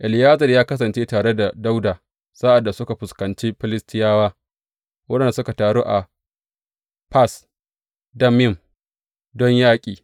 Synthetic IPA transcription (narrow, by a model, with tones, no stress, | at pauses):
ʔɪ˨lɪ˨jaː˦zɐ˨rjaː˦kɐ˦s̬ɐ˨nt͡ʃeː˦taː˨ɽe˦da˨da˦wdaː˨ | saː˦ʔa˨dːa˨sʊ˦ka˨ɸʊ˨skɐ˨nt͡ʃiː˦ɸɪ˦lɪ˦stɪ˦jaː˦waː˦ | wɐ˦ɗɛ˨n˨da˨sʊ˦ka˨taː˨ɽoː˦ʔa˨ | ɸa˦s | dɐ˦mɪ˦˨m | dɔ˦ɲjaː˦kʲʼiː˨